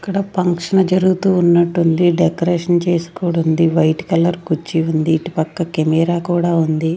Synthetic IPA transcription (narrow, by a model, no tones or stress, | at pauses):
ɐkːɐɽɐpɐŋkʂɐɳɐd͡ʒɐɾuɡut̪uːunːɐʈːund̪iɖekɐɾeːʂɐnt͡ʃe̞ːsu̥koːɽund̪iʋɐjʈkɐlɐɾkut͡ʃːiund̪iːʈipɐkːɐkemɛːɾaːkuːɽaːund̪i